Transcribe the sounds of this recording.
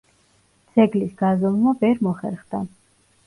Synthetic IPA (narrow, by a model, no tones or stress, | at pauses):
d̪z̥ɛɡlisɡazɔlmabɛɾmɔχɛ̰ɾχd̪a